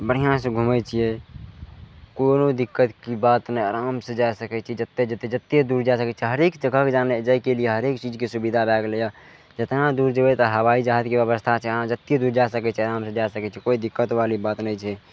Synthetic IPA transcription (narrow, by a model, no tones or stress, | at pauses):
bəɽ̤ijãsẽɡʱumɛt͡ʃʰijɛ | konod̪ikːət̪kibat̪nəəɾamsẽd͡ʒaesəkɛt͡ʃʰɛd͡ʒət̪ːed͡ʒət̪ːed͡ʒət̪ːjed̪uɾd͡ʒasəkɛt͡ʃʰɛɦəɾekd͡ʒəɡʱəkd͡ʒaned͡ʒajkelieɦəɾekt͡ʃid͡ʒkesubid̪ʱabɛɡleja | d͡ʒət̪nad̪uɾd͡ʒəbɛt̪əɦəʋaid͡ʒaɦət̪keəβəst̪ʰat͡ʃʰɛãd͡ʒət̪ːjed̪uɾd͡ʒaesəkɛt͡ʃʰiəɾamsẽd͡ʒaesəkɛt͡ʃʰɛkoid̪ikːət̪ʋalibat̪nəjt͡ʃʰɛ